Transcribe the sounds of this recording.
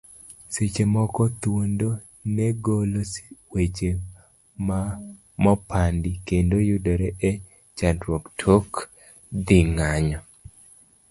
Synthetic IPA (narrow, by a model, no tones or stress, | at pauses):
set͡ʃemɔkɔt̪wondo | nɛɡoloswet͡ʃe | ma | mɔpʰandikendojudɔɾɛʔɛ | t͡ʃandɾwoktʰok | d̪iŋaɲɔ